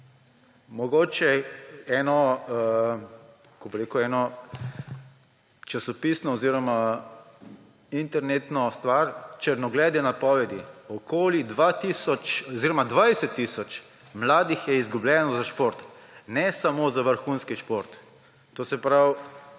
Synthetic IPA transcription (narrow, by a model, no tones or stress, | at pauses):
mɔɡoːt͡ʃɛɛːnɔ | kɔbɾeːkuɛːnɔ | t͡ʃasɔpisnɔɔziːɾɔma | int̪ɛɾnet̪nɔst̪ʋaɾt͡ʃɛɾnɔɡlɛːd̪ɛnapɔːʋɛd̪iɔkoːlid̪ʋat̪iːsɔt͡ʃɔziːɾɔmad̪ʋajsɛt̪ːisɔt͡ʃ | mlaːd̪ixjɛizɡublʲɛnɔzaʃpoɾt̪ | nɛsamozaʋəɾxunskiʃpoɾt̪ː | oːsɛpɾaw